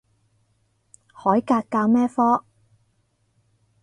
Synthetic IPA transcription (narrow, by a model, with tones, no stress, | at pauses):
hɔː˨˥jkaː˧kkːaː˧wmɛː˥fɔː˥